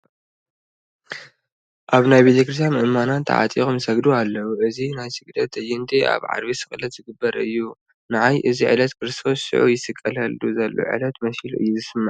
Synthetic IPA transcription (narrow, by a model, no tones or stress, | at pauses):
ʔaβnajbet̪ʰɐkɾɨs̬ʰanɨʔɨmanat̪ʰːa̰ʕa̰t̪ʼixumsɐɡd̪ualːɐwuʔɨzinajsɨɡd̪ɐt̪ɨjɪnd̪eʔa̰βʕa̰d̪βisɨxʼlɐt̪z̥ɨɡɨbːɐɾɨjːu | nɨʕajʔɨziʕɨ̰lɐt̪kʰɨɾɨst̪ʰo̞sːɨ̰ʕujɪsɨkʼːɐlɐld̪uzɐlːo̰ʕɨ̰lɐt̪mɐsilʔɨ̰jːuzɨsɨmːɐʕ